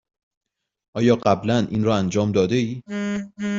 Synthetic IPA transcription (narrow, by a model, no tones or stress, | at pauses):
ʔɒːjɒːɢæblænʔḭːnɾɒːænd͡ʒɒːmd̪ɒːd̪eiː